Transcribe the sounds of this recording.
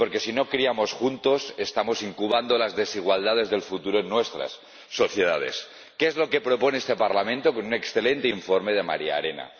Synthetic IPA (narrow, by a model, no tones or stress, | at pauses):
po̞ɾke̞sino̞kɾiamo̞sxunt̪o̞se̞st̪amo̞siŋkuβ̞and̪olazðe̞siɣ̞wald̪að̞e̞zðe̞lfut̪uɾoenːwe̞st̪ɾa̰sː | o̞θje̞ðað̞e̞̰s | keezlo̞ke̞pɾo̞po̞neest̪e̞paɾlamẽnt̪o̞konune̞ksθe̞le̞nt̪eiɱfoɾme̞ð̞ema̰ɾia̰aɾe̞na̰